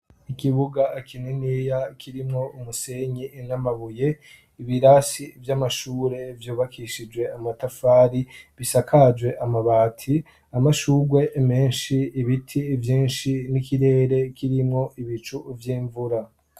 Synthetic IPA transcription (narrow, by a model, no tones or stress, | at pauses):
ikiβuɡakininiːjakʰiɾimŋo̞umuse̞ɲinamaβuje̞ | iβiɾasivjamaʃuːɾe̞vjuːβakʰiʃid͡ʒwe̞amatafaːɾiβisakʰad͡ʒɡwe̞ʔamaβaːtʰi | amaʃuːɡwe̞ʔme̞ːnʃiːβitʰivjiːnʃinikiɾe̞ːɾe̞kʰiɾimŋo̞ʔiβit͡ʃuvjiːɱvuɾa